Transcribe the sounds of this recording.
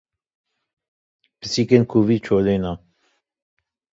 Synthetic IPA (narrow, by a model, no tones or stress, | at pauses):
pəsikenkʰuvit͡ʃʰolena